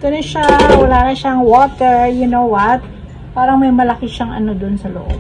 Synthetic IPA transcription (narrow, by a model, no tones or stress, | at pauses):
k̪ɐnoʃawɐlaːnɐʃaŋwɔt̪jʊnowwɐt̪̚ | paːɾɐŋmɐjmɐlɐkɪʃɐŋʔɐ̰nod̪onsɐlo̰ʔob̚